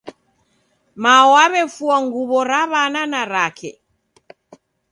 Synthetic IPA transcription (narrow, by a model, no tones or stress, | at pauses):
maɔwaβɛfuaŋɡuβɔɾaβananaɾakʰɛ̰